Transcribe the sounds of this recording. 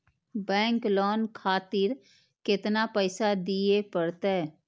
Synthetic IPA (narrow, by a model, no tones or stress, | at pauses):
bɛ̃ːŋklɔːnkʰaːt̪ɪɾ | kɪt̪napəɪsad̪iepəɽt̪eɛ